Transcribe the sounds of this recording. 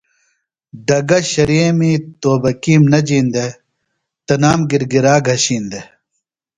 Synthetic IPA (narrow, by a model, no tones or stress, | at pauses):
ɖɐɡɐɕɐɾiemiːt̪oːbɐkiːmnɐd͡ʑiːnd̪e | t̪ɐnaːmɡiɾɡiɾaːɡʱɐɕiːnd̪e